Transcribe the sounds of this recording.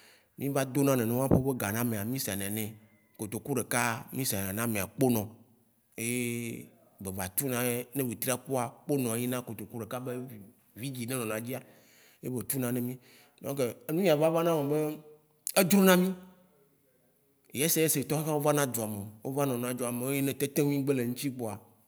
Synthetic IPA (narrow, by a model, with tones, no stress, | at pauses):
mĩ˦va˦d̪o˦nã˦nẽ˨nɔ̃˦wã˦ɸo˦be˦ɡa˨nã˦mẽ˨a˨mĩ˦sa˨nɛ̃˨nɛ̃˨ | ko˨t̪o˨ku˦ɖe˨ka˦mĩ˦sa˨nẽ˨nã˦mẽ˨a˨k͡po˦nɔ̃˨ | e˦je˦ | be˨va˨t̪u˦nã˦je˦nẽ˦wi˨t̪ɾi˦a˦k͡pu˦a˨k͡po˦nɔ̃˨˦ji˦nã˦ko˨t̪o˨ku˦ɖe˨ka˦be˦˨ | vi˦d͡ʑi˨nẽ˦nɔ̃˨n˨ã˨d͡ʑi˦a˨˦ | je˦be˨t̪u˦nã˨nẽ˦mĩ˦ | nɔ̃˦ke˨e˦nũ˦ɲĩ˦a˨va˦va˦nã˦me˨be˦ | e˦d͡ʒɾo˦nã˦mĩ˦˨ | je˦se˦je˦se˨t̪ɔ̃˦xe˦ka˦wo˦va˦nã˦d̪o˨a˨me˨wʔo̰˦va˦nɔ̃˨n˨ã˨˦d͡ʒɔ˦a˨me˨e˦e˦nẽ˦t̪e˦t̪e˦ŋũ˦ĩ˦ɡ͡be˦le˨ŋũ˦t͡ɕi˦k͡po˨a˨